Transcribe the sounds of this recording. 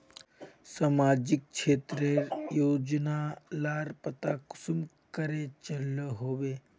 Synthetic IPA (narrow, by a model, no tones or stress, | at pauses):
samaːd͡ʒik̚ʃʰeːt̪ɾeɾjoːd͡ʒnalaɾpət̪aku̥sum | kəɾet͡ʃələɦoːʋe